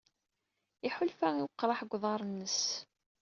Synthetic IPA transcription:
iħʊlfæŋiwqːɾˤɑħɡʷːðˤɑɾˤnːəs

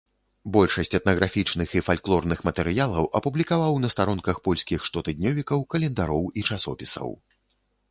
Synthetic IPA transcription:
bɔlʲʂɐsʲt͡sʲɛt̪nɐɣɾafʲit͡ʂnɨxifalʲklˠɔrnɨxmɐt̪ɛɾɨjalˠɐwʔɐpublʲikavawnɐst̪aɾɔnkɐxpɔlʲsʲkʲixʂt̪ɔt̪ɨd̪ʲnʲɔvʲikɐwkɐlʲɛnd̪aɾɔwit͡ʂasɔ̰pʲisɐ̰w

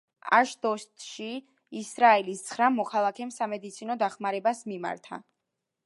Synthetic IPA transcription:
a̰ʃd̪ɔst̪ʃiː | sɾaɛlist̪sʰχɾamɔkʰalˠakʰɛmsamɛd̪it̪sʰinɔd̪aχmaɾɛbasmima̰ɾt̪ʰa̰

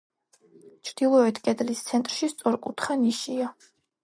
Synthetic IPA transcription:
t͡ʃʰɾd̪̥ilˠɔɛt̪ʰkʼɛd̪list̪sʰɛnt̪ʼɾʃist̪sʼɔɾkʼut̪ʰχaniʃia

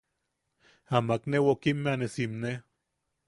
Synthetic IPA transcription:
amaknewokimːeanesimne

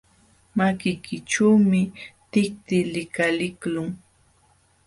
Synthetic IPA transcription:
makɪjkʰɪʈ͡ʂuwmɪt̪ɪk̚t̪ɪlɪkalɪklʊŋ

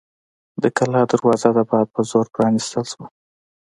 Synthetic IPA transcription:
d̪əkalɑd̪aɾwɑzad̪abɑd̪̚pəzoɾpɾɑnist̪əlʃwə

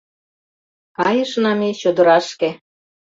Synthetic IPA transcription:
kɑjə̆ʃnɑmet͡ɕod̪ə̆ɾɑʃke

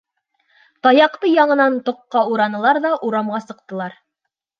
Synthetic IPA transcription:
t̪ɑjɑqt̪ɤjɑɴɤ̆nɑnt̪ŏqːɑuɾɑnɤ̆lˠɑɾðɑʔuɾɑmʁɑsɤ̆q̚t̪ɤ̆lˠɑɾ

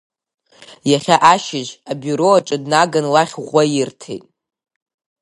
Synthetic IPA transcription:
jaχʲaʔaʃɪʒabuɾoaʈ͡ʂʼadnaɡanlaχʲʁʷajɪrtʰḛjtʼ

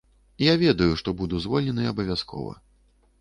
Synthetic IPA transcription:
javʲɛd̪ɐjuʂt̪ɔbud̪uzvɔlʲnʲɛnɨjɐbɐvʲaskʰɔ̰vɐ̰

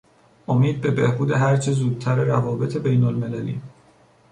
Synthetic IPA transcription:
ʔomiːd̪̚be̞be̞hbuːd̪e̞ɦæɾt͡ʃʰezuːd̪̚t̪ʰæɾeɾævɒːbe̞t̪ʰe̞be̞jnolme̞lælḭː

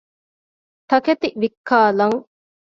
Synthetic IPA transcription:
t̪ɐket̪iʋikʰːaːlɐŋ

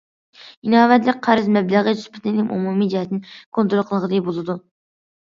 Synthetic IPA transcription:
inɑːvɛt̪lɪk̚ʲqʰæɾɪzmɛbləʁət̪yspʰɪt̪ɪnɪmʔṵmumid͡ʒihɛt̪nɪnkʰont̪ɾoqʰəlˠəʁəd̪ɨbolˠɨd̪u

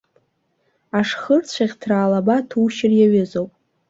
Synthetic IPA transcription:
aʂχərt͡sʷʰaʁʲtʰraːlabatʰuʃɪrjaɥɪzowpʼ

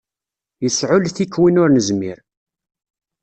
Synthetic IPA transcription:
jəsʕʊlθikːwinʊɾnəzmiɾ

